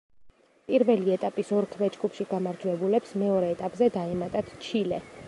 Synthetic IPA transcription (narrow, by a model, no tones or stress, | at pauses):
pʼiɾvɛliɛt̪ʼapʼisɔɾkʰvɛd͡ʒɡʼupʰʃiɡamaɾd͡ʒwɛbulɛpsmɛɔɾɛːt̪ʼapʼzɛd̪aɛmat̪ʼat̪t͡ʃʰilɛ